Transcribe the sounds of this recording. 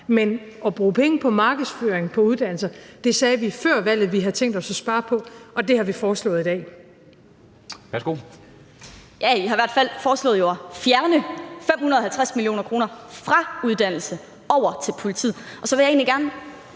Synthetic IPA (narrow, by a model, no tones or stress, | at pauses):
men | ɒ̽b̥ʁuːpʰeŋəpʰɒ̽mɑ̈ːɡ̥əð̩ˠsføːɐeŋ̩pʰɒ̽uðˠd̥æn̰l̩sɐd̥e̝sɛːʋifɶɐ̰ʋæl̰ð̞̩ˠʋiɦɑt͡sʰeŋ̰d̥ɒ̽sɒsb̥ɑ̈ːpʰɒ̽ʔɒ̽d̥e̝hɑ̈ʋifɒːslɔ̰̽ːð̩ˠid̥ɛ̰ː | ʋæɐsɡ̥o̝̰ | jæiɦɑ̈iʋæɐ̰d̥fæl̰fɒːslɔ̽ːð̩ˠjoæfjæɐnəfem̰hunɐðˠɒhælt͡sʰʁasmilio̝̰ːnɐkʰʁo̝ːnɐfʁɑ̈uð̞ˠd̥æn̰l̩sə | ʔɒʊ̰ɐt͡sʰe̝lpʰo̝lit͡sʰḭð̰ˠʔɒ̽sɒ̽ʋe̝jɑ̈e̝̰ːnliɡ̥æɐn